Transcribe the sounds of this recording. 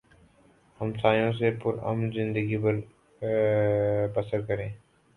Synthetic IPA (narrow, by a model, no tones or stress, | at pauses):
həmsaːjõs̬epʊɾɐ̰mnzɪ̃nd̪əɡibəl | bɐsəɾkəɾẽː